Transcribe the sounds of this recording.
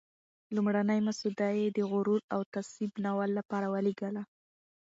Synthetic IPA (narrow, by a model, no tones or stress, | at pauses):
lumɽanajmasud̪ajed̪əɣʊɾuɾawt̪aswibnawalːapɑɾawaliɡala